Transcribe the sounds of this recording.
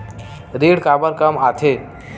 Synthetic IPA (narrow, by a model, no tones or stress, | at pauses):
ɾiɽkabəɾkəmat̪ʰe